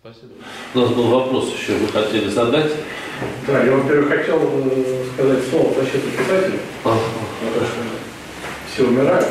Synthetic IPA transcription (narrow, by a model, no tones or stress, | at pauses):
ɐi | ʊnasbɨlˠvɐpɾo̞sɪɕːovɨxɐtʲelʲɪzɐd̪atʲd̪ajavonpʲeɾʲvəxɐtʲelˠskɐzatʲslˠoəp̪ɐɕit̪əpʲɪsatʲɪlʲɪ | aaɐɾoʂə | fsʲeʊmʲɪɾajʊt̪